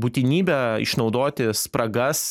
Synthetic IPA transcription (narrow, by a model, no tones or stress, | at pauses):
buːt̪ʲɪnʲiːbʲɛːɪ̰ʃnɒʊd̪oːt̪ʲɪspɾɐɡɐs